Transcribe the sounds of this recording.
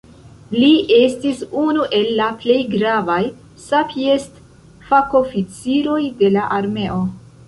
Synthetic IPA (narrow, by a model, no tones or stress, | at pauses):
liʔe̞stisunuʔe̞lːaple̞jɡɾavaj | sapiest | fako̞fit͡siɾo̞jde̞laʔaɾme̞ʔo̞